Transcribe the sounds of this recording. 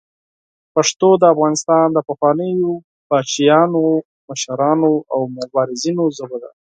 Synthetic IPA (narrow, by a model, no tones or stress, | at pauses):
paʂt̪od̪əafɣɑnɪst̪ɑnd̪əpaxwɑnəjo | bɑt͡ʃijɑno | maʃaɾɑnoʔawmʊbɑɾɪzinozabod̪a̰